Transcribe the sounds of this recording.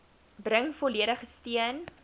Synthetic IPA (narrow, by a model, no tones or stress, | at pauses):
brəŋfɔliəɾəχəstiən